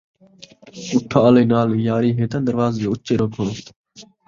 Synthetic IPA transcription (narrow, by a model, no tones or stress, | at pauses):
ʊʈʰːaːaleːnaːljaːɾiːɦeːt̪ənd̪əɾʋaːzːoːʊt͡ʃːeːɾoːɡʱõː